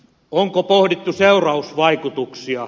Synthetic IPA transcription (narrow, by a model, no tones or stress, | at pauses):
oŋkopohdit̪ːuseurɑusʋɑikut̪uksiɑ